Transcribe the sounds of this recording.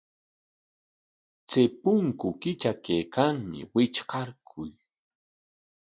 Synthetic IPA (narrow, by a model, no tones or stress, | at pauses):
t͡sepʊŋkʊkɪt͡ʃakejkaŋmɪ̰wɪt͡ʃqɑɾkʰʊj